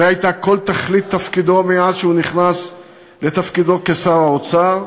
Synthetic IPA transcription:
eajt̪ako̞lt̪aχlit̪ːafkid̪o̞meazʃeuniχnas | le̞t̪afkid̪o̞kesaʁaot͡saʁ

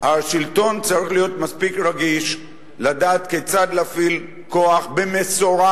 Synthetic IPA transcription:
haʃilt̪o̞nt͡saʁiχlijo̞t̪maspikɾaɡiʃ | lad̪aːt̪ket͡sad̪lafil | ko̞aχbemesoɾa

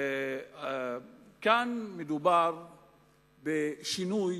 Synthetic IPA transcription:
kanmed̪ubaɾ | beʃinuj

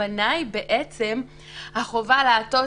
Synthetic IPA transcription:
anajbe̞ʔet͡se̞m | haχo̞valaːto̞

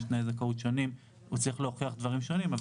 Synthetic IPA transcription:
ʃnajzakaut̪ʃo̞nim | ut͡saʁiχleoχiaχd̪vaʁimʃo̞nimav

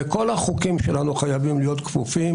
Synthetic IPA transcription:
eko̞laχukimʃelanuχajavimlijo̞t̪kfufim

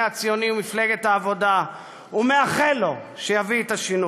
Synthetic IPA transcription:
at͡sijo̞niumifleɡet̪aːvo̞da | umeaχelo | ʃejaviet̪aʃinu

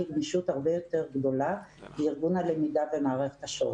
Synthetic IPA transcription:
iɡniʃut̪haʁbejo̞t̪e̞ʁɡd̪o̞labeiʁɡunalemidavemaːʁe̞χe̥t̪aʃo̰

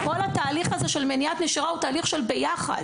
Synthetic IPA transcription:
ko̞lataːliχazeʃe̞lmeniat̪neʃiʁahutaːliχʃe̞lbejaχa̰d̥

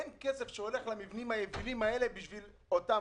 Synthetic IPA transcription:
enkese̞fʃeo̞le̞χlamivnimhajevilimae̞le̞biʃvil | ota

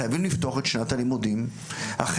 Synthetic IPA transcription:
ajavimlift̪oaχe̞t̪ʃnatalimudim | a̰χ

